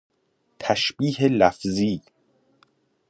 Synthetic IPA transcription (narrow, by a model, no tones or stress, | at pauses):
t̪ʰæʃbiːhelæfziː